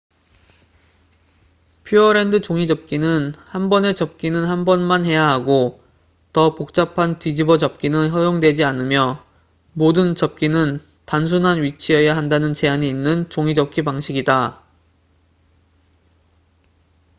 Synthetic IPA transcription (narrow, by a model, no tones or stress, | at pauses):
pʰjuʌɾe̞ndɯt͡ɕoŋid͡ʑʌp̚k͈inɯnhanbʌne̞t͡ɕʌp̚k͈inɯnhanbʌnmanɦe̞jaɦaɡo | tʌpok̚t͡ɕ͈apʰantid͡ʑibʌd͡ʑʌp̚k͈inɯnhʌjoŋdwe̞d͡ʑianɯmjʌ | modɯnt͡ɕʌp̚k͈inɯn | tans̬ʰunɦanɥit͡ɕʰiejaɦandanɯnt͡ɕe̞aɲiːnːɯnt͡ɕoŋid͡ʑʌp̚k͈ipaŋɕʰiɡida